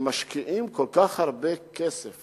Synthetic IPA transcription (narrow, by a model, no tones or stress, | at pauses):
maʃkiʔimkolkaχhaʁbekesef